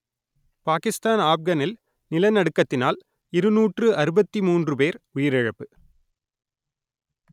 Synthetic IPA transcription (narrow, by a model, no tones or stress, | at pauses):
paːkɪst̪aːnaːfɡɐnɪl | nɪlɐnɐɽɯkːɐt̪ːɪnaːl | ɪɾɯnuːʈrɯʔɐɾɯbɐt̪ːimuːndrɯpeːɾʊjɪɾɪɻɐpːɯ